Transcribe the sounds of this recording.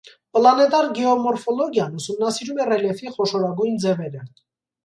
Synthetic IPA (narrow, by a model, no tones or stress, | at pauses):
plɑnɛt̪ɑɾɡɛɔmɔɾfɔlɔɡjɑnusumnɑsiɾumɛrɛljɛfiχɔʃɔɾɑɡujnd͡zɛvɛɾə